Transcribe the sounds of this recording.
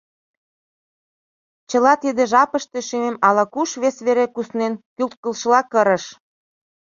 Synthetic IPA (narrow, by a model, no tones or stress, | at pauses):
t͡ɕəlɑt̪id̪eʒɑpəʃt̪e̽ʃymemɑlɑkuʃβesβeɾekusnenkylt̪̚kə̆lʃəlɑkəɾə̆ʃ